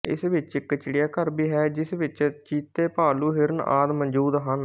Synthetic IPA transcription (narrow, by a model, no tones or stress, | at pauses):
ɪ̰sʋɪt͡ʃɪkːt͡ʃɪɽijaːkəɾbiːɦɛːd͡ʒɪsʋɪt͡ʃt͡ʃiːt̪eːpaːluːɦɪɾəna̰ːd̪mənd͡ʒuːd̪ɦən